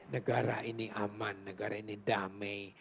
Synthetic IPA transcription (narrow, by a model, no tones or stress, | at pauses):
nəɡaɾainiʔamanːəɡaɾainidamɛj